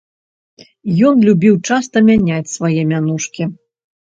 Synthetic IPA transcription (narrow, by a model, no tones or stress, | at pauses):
jɔnlʲubʲiwt͡ʂast̪ɐmʲanʲat͡sʲsvajɛmʲanuʂkʲi